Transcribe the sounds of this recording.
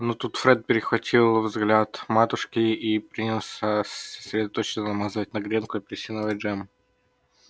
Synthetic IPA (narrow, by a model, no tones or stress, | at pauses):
nut̪ut̪fɾɛt̪̚pʲɪɾʲɪxvɐtʲʰilˠvzɡlʲat̪mat̪ʊʂkʲɪipɾʲinʲilˠsʲəsə̥sʲɾʲɪd̪ɐt̪ot͡ɕnənɐmazɨvətʲnɐɡɾʲenkʊɪpʲɪɾʲɪsʲinəvət̚ʲʐɛm